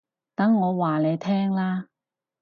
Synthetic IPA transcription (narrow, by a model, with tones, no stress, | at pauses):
t̪ɐ˨˥ŋːɔː˨˧waː˨˩le˨˧jt̪ʰɛː˥ŋlaː˥